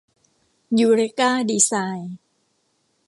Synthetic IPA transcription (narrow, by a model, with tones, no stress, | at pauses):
juː˧ɾe˦˥kaː˥˩diː˧saː˧j